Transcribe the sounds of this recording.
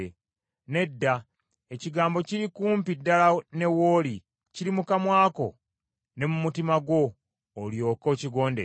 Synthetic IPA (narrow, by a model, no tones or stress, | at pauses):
ne̞dːa | eciɡaːmbo̞ciɾikuːmpidːalane̞wo̞ːli | ciɾimukamwaːko̞ | ne̞mumutimaɡwo̞ː | ljo̞ːko̞ciɡo̞ːndḛ